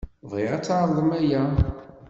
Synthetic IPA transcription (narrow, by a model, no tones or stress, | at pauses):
vʁɪʁæt͡sːʕðˤðˤəmæjæ